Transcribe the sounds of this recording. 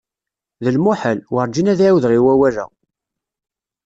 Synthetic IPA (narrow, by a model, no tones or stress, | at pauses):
ðəlmuħəlwəɾˤd͡ʒinæðiʕawðɾiwæwæɾæ̰